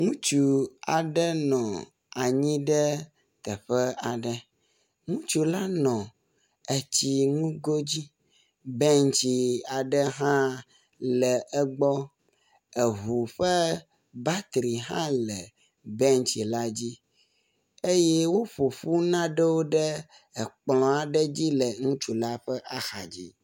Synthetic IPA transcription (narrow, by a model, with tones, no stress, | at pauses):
ŋũ˦t͡ʃu˨a˨ɖə˦nɔ̃˨ | a˨ɲĩ˦ɖɛ˦ | t̪ɛ˨ɸɛ˦a˨ɖɛ˦ | ŋũ˦t͡ʃu˨la˦nɔ̃˨ | ɛ˨t͡ɕi˦ŋũ˦ɡo˦d͡ʑi˦ | bɛ˦ŋt͡ʃi˨a˨ɖə˦ɦã˦ | lɛ˨ɛ˦ɡ͡bɔ˦ | ɛ˨ɦu˨ɸə˦ | ba˦t̪ɾi˨ɦã̰˦lɛ˨ | bɛ˦ŋt͡ʃi˨la˦d͡ʑi˦ | e˦jɛ˦wo˦ɸo˨ɸu˦nã˦ɖɛ˦wo˦ɖɛ˦ | ɛ˨k͡plɔ̃˨a˨ɖɛ˦d͡ʑi˦lɛ˨ŋũ˦t͡ʃu˨la˦ɸɛ˦ʔa˦xa˨d͡ʑi˦